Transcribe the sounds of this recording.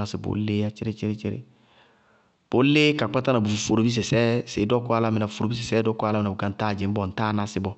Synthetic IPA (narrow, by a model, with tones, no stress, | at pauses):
a˨sɪ˨bo̰˨˦le˦a˦t͡ʃɪ˦ɾe˦t͡ʃɪ˦ɾe˦t͡ʃe˦ɾḛ˦ | b̥o˨˦le˦ka˨k͡pa˦ta˦na˨bu˨fu˨fo˨ɾo˨bi˦s̬ɛ˨sɛ˦se˨˦dɔ˦kɔ˦a˦la˦mɪ˨na˨fo˨ɾo˨bi˦s̬ɛ˨sɛː˦dɔ˦ka˦la˦mɪ˨na˨bu˨ka˨n̩˦ta˦˨d͡ʒe˨m̩˦bɔ˨n̩˨ta˦na˧sɪ˦bɔ˦